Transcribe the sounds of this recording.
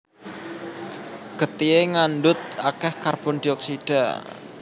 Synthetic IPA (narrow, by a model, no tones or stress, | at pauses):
kət̪ieŋandʊt̪̚akɛhkarbʊndiɔk̚sid̥a̰